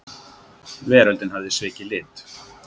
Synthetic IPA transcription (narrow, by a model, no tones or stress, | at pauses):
vɛːɾœlt̪ɪnhavðɪsvɪːcɪlɪːt̪